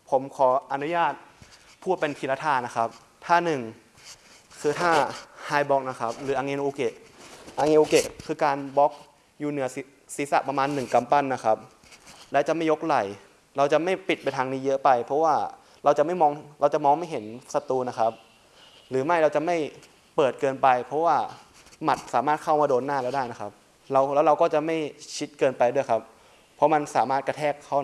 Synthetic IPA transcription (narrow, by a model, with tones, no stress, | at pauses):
pʰo˩˦mkʰɔː˩˦ʔa˧nu˦˥jaː˥˩t̪̚ | pʰuː˥˩pe˧npʰi˧la˧t̪ʰaː˧˩na˦˥kʰa˦˥p̚ | t̪ʰaː˥˩nɯ˨˩ŋ | kʰɯː˧t̪ʰaː˥˩haː˧jbɔ˦˥k̚na˦˥kʰa˦˥p̚ɾɯː˩˦ʔaː˧ŋʔe˧nʔoː˧ke˨˩ʔʔa˧ŋeː˧nʔoː˧ke˨˩ʔkʰɯː˧kaː˧nbɔ˦˥k̚ | juː˨˩nɯ˩˦ɐs | si˨˦sa̰˨˩pɾa˧maː˧nːɯ˨˩ŋka˧mpa˥˩nːa˦˥kʰa˦˥p̚ | lɛː˦˥wt͡ɕa˨˩ʔma˥˩jo˦˥k̚la˨˩j | ɾa˧wt͡ɕa˨˩ʔma˥˩jpi˨˩t̪̚pa˧jt̪ʰaː˧ŋniː˦˥jɤ˦˥pa˧jpʰɔ˦˥waː˥˩ | ɾa˧wt͡ɕa˨˩ʔma˥˩jmɔː˧ŋɾa˧wt͡ɕa˨˩ʔmɔː˧ŋma˥˩jɦe˩˦nsa˧t̪uː˧na˦˥kʰa˦˥p̚ | ɾɯː˩˦ma˥˩jɾa˧wt͡ɕa˨˩ʔma˥˩j | pɤː˨˩t̪̚kɤː˧npa˧jpʰɔ˦˥waː˥˩ | ma˨˩t̪̚saː˩˦maː˥˩t̪̚kʰa˥˩wmaː˧doː˧nːaː˥˩lɛ˦˥wdaː˥˩jna˦˥kʰa˦˥p̚ | ɾa˧wlɛ˦˥wɾa˧wkɔː˥˩t͡ɕa˨˩ma˥˩jt͡ɕʰi˦˥t̪̚kɤː˧npa˧jdu˥˩əjkʰa˦˥p̚ʰː | ɔ˦˥ma˧nsaː˨˩˦maː˥˩t̪̚ka˧t̪ʰɛː˥˩kʰːa˦˧˥